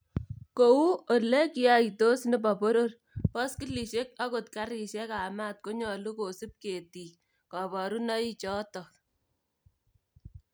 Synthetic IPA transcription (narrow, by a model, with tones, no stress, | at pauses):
ko˨u˦o˨le˦ki˦a˦i˨to˦snɪ˦pa˨po˦ɾo˦r | pɔ˦ski˦li˨ʃe˦k̚a˦ko˨tka˦ɾi˨ʃɛ˦ka˨maː˦t̚ko˦ɲɔ˨lu˦ko˨si˦p̚ke˨ti˨k | kɑ˨bɔ˨ɾu˦nɑ˦i˦t͡ʃɔ˦tɔ˨